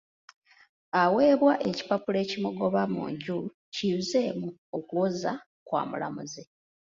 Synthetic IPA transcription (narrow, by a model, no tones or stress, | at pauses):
awe̞ːβwaʔeci̥papule̞ːcimuɡo̞βamṵːɲɟulu | ciuze̞ːmuokoza | kwa̰ːmṵla̰muze